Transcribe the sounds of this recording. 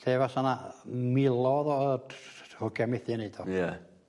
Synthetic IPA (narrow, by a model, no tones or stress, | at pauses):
ɬeːvasanamɪlˠɔðɔəhʊɡɛmɪθɪnejd̪ɔja